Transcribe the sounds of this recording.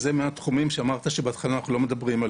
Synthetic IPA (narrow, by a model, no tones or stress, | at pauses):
zemeat̪χumimʃeamaʁt̪aʃebeat̪χalaːnaχnulo̞me̞d̪abʁimal